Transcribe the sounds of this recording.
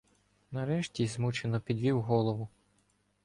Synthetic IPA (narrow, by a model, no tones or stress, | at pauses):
nɐɾɛʃtʲizmut͡ʃenɔpʲid̪ʲʋʲiwɦɔlˠɔʋʊ